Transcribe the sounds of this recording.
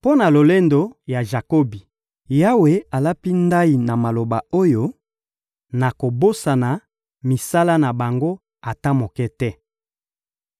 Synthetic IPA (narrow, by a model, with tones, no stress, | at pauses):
po˦na˨lo˨le˦ndo˨ja˨ʒa˨ko˦bi˨ | ja˦we˨a˨la˦pi˦nda˦i˨na˨ma˨lo˨ba˨o˦jo˦ | na˨ko˨bo˦sa˨na˨ | mi˨sa˦la˦na˨ba˨ŋɡo˦ | a˨ta˦mo˨kɛ˦tɛ˦